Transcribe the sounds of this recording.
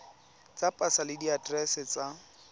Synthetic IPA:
t͡sapʼasalɪdiatrɛsɛt͡sa

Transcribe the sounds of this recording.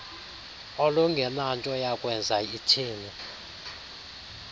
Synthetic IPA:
ɔlɔŋɡʱɛnantʼɔjakʼwɛnd͡zʱaitʰiːni

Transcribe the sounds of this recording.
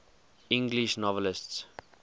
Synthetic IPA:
ɪ̃ŋɡliʃnɔvələsts

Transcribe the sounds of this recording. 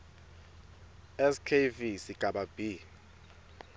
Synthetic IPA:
ɛskʰevisiɡ̥ʱaɓab̥i

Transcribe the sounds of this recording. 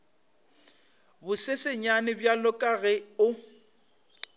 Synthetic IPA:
bʊsesɪɲanɪbjalʊkʼaɣɪʊ

